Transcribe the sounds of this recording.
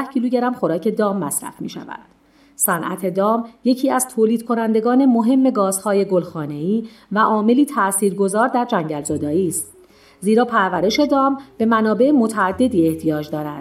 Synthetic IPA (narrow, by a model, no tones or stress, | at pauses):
hcʰiːluːɟeɾæmxo̞ɾɒːcʰe̞d̪ɒːmːæsɾæ̰fmḭːʃæ̰væ̰d̪̥ | sænʔæ̰t̪ʰe̞d̪ɒːmje̞cʰiːæzt̪ʰoːliːd̪̚kʰo̞nænd̪e̞ɡɒːne̞mo̞ɦe̞mːe̞ɡɒːz̥hɒːje̞ɡolxɒːne̞iːvæʔɒːme̞liːt̪ʰæsiːɾɡo̞zɒːɾd̪æɾd͡ʒæɲɟælzɒd̪ɒːiːst̪̚ | ziːɾɒːpʰæɾvæɾe̞ʃe̞d̪ɒːmb̥e̞mænɒːbe̞emo̞t̪ʰæːd̪ːe̞d̪iːe̞ht̪ʰijɒːd͡ʒd̪ɒːɾænd̪̥